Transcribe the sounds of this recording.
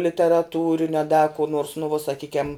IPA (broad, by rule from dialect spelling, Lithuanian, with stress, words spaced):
lʲɪtʲɛrɐˈtuːrʲɪnʲʊ ɐ dɐ kʊ noːrs nʊ ʋuɔ sɐˈkʲiːkʲɛm